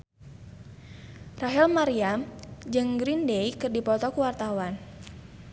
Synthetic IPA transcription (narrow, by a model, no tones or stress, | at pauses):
raɦɛlmaɾiamd͡ʒəŋɡɾindejkɨrdipɔt̪ɔkuwart̪awan